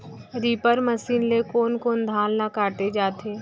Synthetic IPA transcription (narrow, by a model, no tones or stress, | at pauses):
ɾiːpəɾməsiːnlekoːnkoːnd̪ʱaːlːakaːʈ̪ed͡ʒaːt̪eː